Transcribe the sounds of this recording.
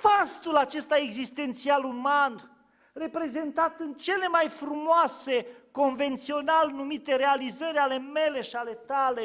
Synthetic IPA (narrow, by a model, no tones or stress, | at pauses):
fast̪ulat͡ʃe̞st̪aeɡzist̪e̞nt̪sialuman | re̞pɾe̞ze̞nt̪at̪ɨnt͡ʃe̞le̞majfɾumoase̞ko̞nve̞nt̪sio̞nalnumit̪e̞ɾealizəɾʲale̞me̞le̞ʃiale̞t̪ale